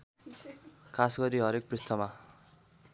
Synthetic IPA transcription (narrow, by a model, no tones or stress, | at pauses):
kʰasɡʌɾiɦʌɾek̚prist̪ʰʌma